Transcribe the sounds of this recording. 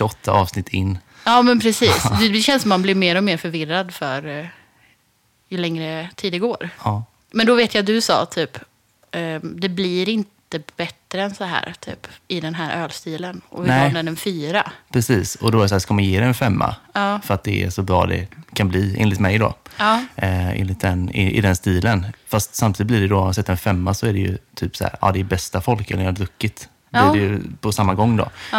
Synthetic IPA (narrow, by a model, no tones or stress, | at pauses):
ɔt̪ʰːaʔɑːvsnɪt̪ʰːɪnː | ɑːmɛnpʰɾɛsiːsd̪ɛɛɕɛnsɔmːanblɪɾmeːɾɔmeːɾfœɾvɪɾːad̪fœɾ | jɵlɛŋɾət̪ʰiːd̪ɛɡoːɾɑ | mɛnd̪ɔveːt̪jaat̪d̪ɵsɑ̰ːt̪ʰyːp | d̪ɛblɪɾɪnt̪əb̥ɛt̪ːɾəɛnsɔɦæ̰ːɾt̪ʰy̰ːpɪd̪ɛnɦæːɾʔøːlst̪iːlənʔɔ̰vɪnɛnɛnɛnfyːɾapʰɾɛsiːsɔd̪ɔɛːɾɪs̬ahæːʂkamanjeːd̪ɛɛnfɛmːa̰fœɾat̪̚d̪ɛæ̰ɾʂɔbɾɑ̰ːd̪ɛ̰kʰanbliːḛːnlɪt̪mɛjd̪ɔ̰ | ḛːnlɪt̪̚d̪ɛnɪɪ̰d̪ɛnst̪iːlənfast̪samt̪iːd̪̚b̪lɪɖɛd̪ɔmansɛt̪ːəɾɛnfɛmːasɔæɾɛjɵ̰t̪ʰyːpshæ̰ːɾɑ̰ːd̪ɛːbɛst̪afɔlkɛlːəɾlɵkːɪt̪ | blɪɾɛjpʰɔsamːaɡɔŋːd̪ɔ̰